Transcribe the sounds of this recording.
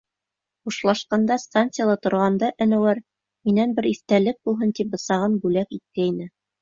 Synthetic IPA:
χuʃlˠɑʃqɑnd̪ɑst̪ant̪sijalˠɑt̪ŏɾʁɑnd̪ɑʔɘ̆næ̆wæɾ | minænbɘɾiθt̪ælɘk̚bulˠɦɤnt̪ip̚bɤ̆sɑʁɤnbʉlækit̪̚kæinɘ

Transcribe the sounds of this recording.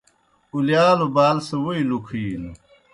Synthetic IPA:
uljaːlobaːlsɐwoilukʰiːl

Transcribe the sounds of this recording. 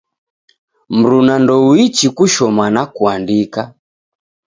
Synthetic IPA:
m̩ɾunandɔwit͡ʃikuʃɔmanakuandika

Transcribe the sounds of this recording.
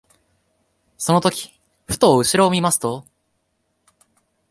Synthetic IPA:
so̞no̞t̪o̞kʲi̥ | ɸɯ̟̥t̪oːɯ̟ɕiɾo̞ːmʲimasɨ̥t̪o̞

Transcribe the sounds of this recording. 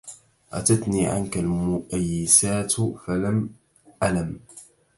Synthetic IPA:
ʔa̰t̪at̪niːʕa̰nkalmʊʔajːɪsaːt̪falam | ʔalam

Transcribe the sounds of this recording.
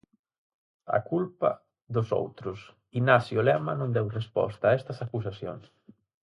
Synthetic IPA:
a̰kulpa̰ | ðʊso̰wt̪ɾʊs | inasjolɛmɐnõnd̪ɛwrespɔ̰st̪aːɛst̪ɐsakus̬asjo̰ŋs

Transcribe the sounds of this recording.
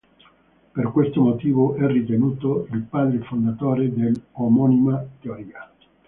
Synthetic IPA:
perkwest̪omot̪iːvoʔɛrːit̪enuːt̪oilpaːd̪ɾefond̪at̪oːɾed̪elomɔnimat̪eoɾiːa

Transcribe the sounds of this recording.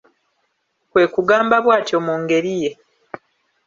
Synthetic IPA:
kwe̞ːkuɡaːmbaβwaːtjo̞muːŋɡe̞ɾije̞

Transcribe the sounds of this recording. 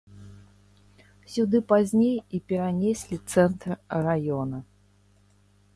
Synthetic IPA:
sʲud̪ɨpazʲnʲejipʲɛɾanʲesʲlʲit̪sɛnt̪rrajɔnɐ

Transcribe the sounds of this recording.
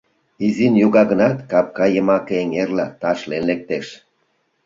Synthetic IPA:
izinjuɣɑɣənɑt̪kɑp̚kɑjəmɑkeeŋerlɑt̪ɑʃlenlek̚t̪eʃ

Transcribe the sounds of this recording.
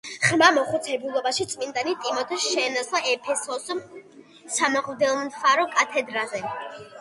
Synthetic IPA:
χmamɔχut̪sʰɛbulˠɔbaʃit̪sʼmind̪anit̪ʼimɔt̪ʰaʃɛːnaslaɛpʰɛsɔsɔm | samaqʼmd̪ɛlˠnfaɾɔkʼat̪ʰɛd̪ɾazɛ

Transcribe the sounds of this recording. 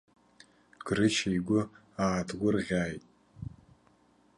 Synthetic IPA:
ɡ̥rɨt͡ʃʰejɡʷʊ | aːtʰɡʷʊrʁʲaːjtʼ

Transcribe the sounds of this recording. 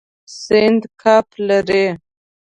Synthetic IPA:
sɪnd̪kʰaplaɾe

